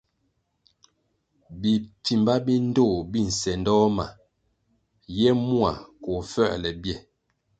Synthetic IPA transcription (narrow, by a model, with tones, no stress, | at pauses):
bi˨ti˨mba˦bi˦n̩˦do˦˨bi˦˨n̩˨sɛ˨ndɔ˦ma˨ | jɛ˦mu˦a̰˨ko˨fɛ̰˦˨ʔlɛ˨bjɛ˦˨